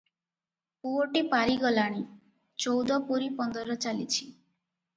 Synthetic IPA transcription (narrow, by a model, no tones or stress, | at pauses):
puoʈipaɾiɡɔlaɽ̃i | t͡ʃɔwd̪ɔpuɾipɔnd̪ɔɾɔt͡ʃalḭt͡ʃʰi